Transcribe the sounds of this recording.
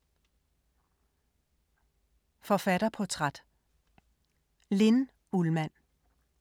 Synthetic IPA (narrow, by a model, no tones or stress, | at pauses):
fɒ̽fæɾ̥ɐpʰɒt͡sʰʁad̥ | le̝n | ulmæn̰